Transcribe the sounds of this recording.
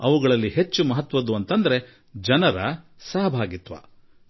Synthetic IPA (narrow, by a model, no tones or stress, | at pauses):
ɐʋuɡɐɭɐlːihe̞t͡ʃːumɐɦɐt̪ʋɐd̪uɐnt̪ɐnd̪ɐɾe̞ | d͡ʒɐnɐɾɐ̰ | sɐɦɐbʱaːɡit̪ʋa̰ː